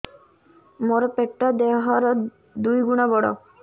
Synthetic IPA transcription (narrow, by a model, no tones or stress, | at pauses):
moɾɔpeʈːɔd̪eɦɔɾɔ | d̪ujɡuɽ̃ɔbɔɽɔ̰